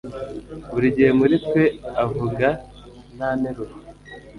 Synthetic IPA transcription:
βuɾiɟeːmuɾitweavuɡa | naneɾoɾ

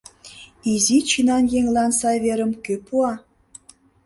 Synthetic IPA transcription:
izit͡ɕinɑnjeŋlɑnsɑβeɾə̆mkøpuɑ

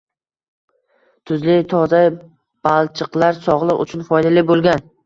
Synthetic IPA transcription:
t̪ʰʊzlɪt̪ʰɒza | b̥alˠt͡ʃʰɨqlˠaɾsɒʁlˠɨqʊ̰t͡ʃʰʊnfɒjd̪alɪbolˠɡʲan

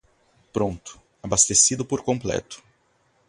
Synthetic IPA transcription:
pɾõnt̪ʊ̥ | abast̪esid̪ʊpoɾkõmplɛ̰t̪ʊ̥

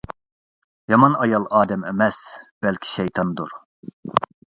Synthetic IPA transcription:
jɑmɑnɑjɑlˠɑːd̪ɛmɛmɛsb̥ɛlkʲʰi̥ʃɛjt̪ʰɑnd̪uɾ

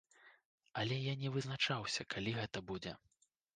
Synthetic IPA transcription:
ɐlʲɛjanʲɛvɨznat͡ʂawsʲɐkʰalʲiɣɛt̪ɐbud͡zʲɛ

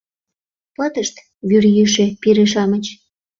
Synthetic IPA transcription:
pɑt̪əʃt̪ | βyrjyʃĕpiɾeʃɑmət͡ɕ

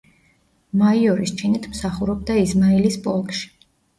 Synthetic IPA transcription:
maiɔɾist͡ʃʰinit̪ʰmsaχuɾɔb̚d̪aismailispʼɔlˠkʼʃi̥

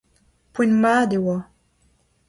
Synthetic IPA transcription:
pwenmaːd̪ewa

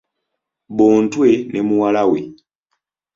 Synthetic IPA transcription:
bɔːntwɛnɛmuwalawɛ

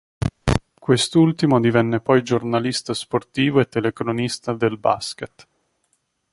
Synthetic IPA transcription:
kwest̪ult̪imod̪ivɛnːepɔjd͡ʒornalist̪asport̪iːvoet̪ːelekɾonist̪ad̪elba̰sket̪

